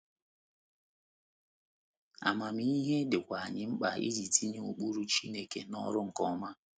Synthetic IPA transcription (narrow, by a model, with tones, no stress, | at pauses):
a̰˨ma˨mi˦i˦ɦe˦dɪ˨kʷa˨a˨ɲɪ˨˦ŋ͡m̩˦k͡pa˨ḭ˦d͡ʒi˨tʰi˦ɲi˦u˨k͡pu˦ɾu˦t͡ʃi˦ne˨ke˨nɔ̰˦ɾʊ˦ŋ̩˨kɔ˦ma˦